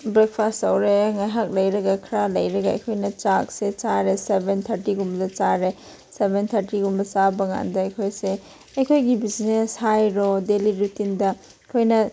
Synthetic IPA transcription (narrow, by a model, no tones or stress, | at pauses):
bɾek̚pʰastɐwɾeŋajɦak̚lɐjɾɐɡakʰɾalɐjɾɐɡaɐ̰jkʰojnɐt͡ʃak̚set͡ʃaɾesebent̪ʰɐɾtiɡumbɐdɐt͡ʃaɾe | sebent̪ʰɐɾtiɡumbɐt͡ʃabɐŋa̰ndɐɐjkʰojse | ɐjkʰojɡibizneshajɾodeliɾutindɐ | kʰojnɐ